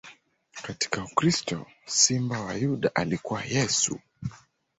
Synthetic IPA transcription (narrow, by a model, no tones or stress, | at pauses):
kati̥kaukɾistɔ̰ | simbawajuɗa̰ʔalikuwajɛsṵ